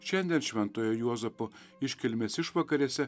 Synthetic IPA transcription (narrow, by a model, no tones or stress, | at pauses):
ʃʲɛnʲd̪ʲiɛnʃʲʋʲɛnt̪oːjojuɔzɛpo | ɪʃʲkʲɪlʲmʲesʲɪʃʋɐkɐɾʲesʲɛ